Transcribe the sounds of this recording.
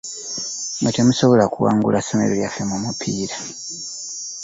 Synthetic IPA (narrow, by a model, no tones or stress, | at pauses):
ŋɡatemusoβo̞lakuwa̰ːŋɡulasome̞̰ɾoljafe̞mumupʰiːɾa